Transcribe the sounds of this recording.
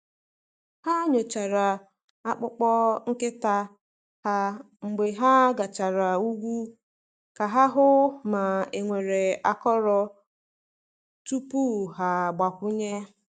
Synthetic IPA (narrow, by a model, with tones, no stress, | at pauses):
ha˦ɲo˨t͡ʃa˨ɾa˨ | a˦k͡pʊ˦k͡pɔ˦ŋ̩˦kɪ˦ta˦ | ha˦ | ŋ͡m̩˨ɡ͡be˨ɦa˦ɡa˨t͡ʃa˨ɾa˨u˦ɡʷu˦ | ka˨ɦa˦ɦʊ˦ma˨e˨ŋʷe˨ɾe˨a˨kɔ˦ɾɔ˦ | t͡ʃu˦pu˦˨ɦa˨ɡ͡ba˨kʷʊ˦ɲe˦